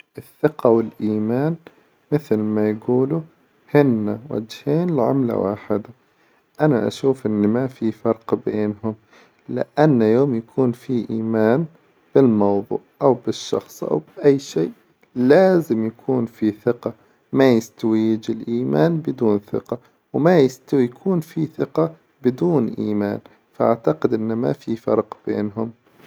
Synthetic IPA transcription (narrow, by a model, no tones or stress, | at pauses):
ʔɪθːɪqawɪlʔiːmaːn | mɪθlmajɡuːlu | hɪnːawa̰d͡ʒheːnɪlʕa̰mla̰wa̰ːħɪd̪a | ʔanaʔa̰ʃuːfʔɪnːmafifɑɾˤqbeːnɦʊm | lɪ̰ʔanːjoːmjakʰuːnfiʔiːmaːn | b̥ɪlmɑwðˤṵːʔawbɪʃːɑ̰xsˤʔa̰wbɪʔajːʃeːʔ | laːzɪmjakʰuːnfiθɪqɑ | majɪst̪awiːd͡ʒɪlʔiːmaːnbɪd̪uːnθɪ̰qɑ | wmajɪst̪awjakʰuːnfiθɪqɑ | bɪd̪uːnʔiːma̰ːn | faʔaʕt̪aqɪd̪ʔɪnːma̰fifɑ̰ɾˤqb̥ḛːnɦʊm